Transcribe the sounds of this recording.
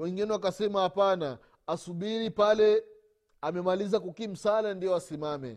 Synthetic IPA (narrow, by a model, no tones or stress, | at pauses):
wɛŋɡinɛwakasɛmahapana | asuɓiɾipalɛ | amɛmalizakukim̩salandijɔasimamɛ̰